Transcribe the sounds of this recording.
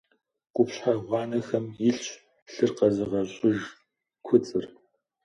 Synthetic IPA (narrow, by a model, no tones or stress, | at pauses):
qʷʊpɕħaʁʷɑːnɐxɐmjɪɬɕ | ɬɨrqɐzɨʁɐɕʼʊʒ | kʷʰʊt͡sʼɨr